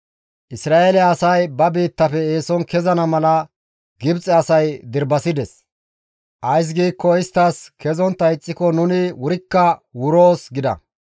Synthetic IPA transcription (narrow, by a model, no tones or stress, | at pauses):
ʔɪsɾaːʔelɛːsɐjbɐbiːt̪ːɐfɛeːsɔnkɛzɐnɐmɐlɐ | ɡɪbt͡sʼɛɐsɐjd̪ɪɾbɐsɪd̪ɛs | ʔɐjs̬ɡiːkːɔɪst̪ːɐskɛzɔnt̪ːɐɪt͡sʼːɪkɔnʊnɪwʊɾɪkːɐwʊɾoːsɡɪd̪ɐ̰